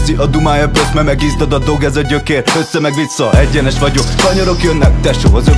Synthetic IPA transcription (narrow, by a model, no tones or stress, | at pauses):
ziʔɒd̪umaːjɒpøt̪mɛmɛɡiːzd̪od̪ɒd̪o̞ɡɛzɒɟøkeːɾøsːɛmɛɡʋisːɒʔɛɟːɛnɛʃʋɒɟokkɒɲoɾo̞kjønːɛkt̪ɛʃoːɦɒzø